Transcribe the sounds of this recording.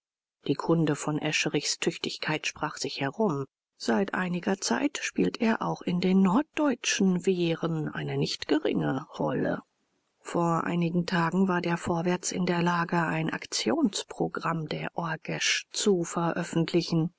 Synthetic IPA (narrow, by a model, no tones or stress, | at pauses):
d̥iːkʰʊndəfɔnʔɛʃəʁɪçstʰʏçtɪçkʰaɪtʃpʁ̥aːχz̥ɪçhɛʁʊm | z̥aɪtʔa̰ɪnɪɡɐt͡sa̰ɪtʃpiːlteːɐʔa̰ʊxɪndeːnːɔɐt̚d̥ɔʏt͡ʃn̩veːʁənʔa̰ɪnənɪçtɡ̥əʁɪ̰ŋəʁɔ̰lə̰ | foːɐʔa̰ɪnɪɡŋ̩tʰaːɡŋ̩vaːɐdeːɐfoːɐvɛɐt͡sɪ̰ndeːɐlaːɡəaɪnʔa̰kt͡sjoːnspʁ̥oɡʁamdeːɐʔɔɡ̥ɛʃt͡sufɛɐʔœfn̩tʰlɪçn̩